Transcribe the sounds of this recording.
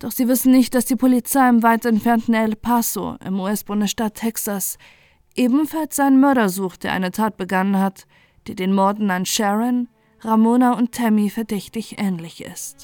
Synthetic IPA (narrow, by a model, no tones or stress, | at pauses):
d̥ɔχz̥iːvɪsn̩nɪçt̚d̥asd̥iːpʰolit͡saɪɪmvaɪtɛntfɛɐntn̩ɛlpʰaso̰ʔɪ̰muːɛsb̥ʊndəsʃtatʰːɛksas | ʔeːbm̩falsz̥aɪnənmœɐɾɐzuːχt̚d̥eːɐʔa̰ɪnətʰaːt̚b̥əɡanənhat | d̥eːɐdeːnmɔɐdn̩anʃɛʁɛn | ʁamoːnaʊnttʰːɛmifɛɐdɛçtɪçʔɛːnlɪçɪ̰st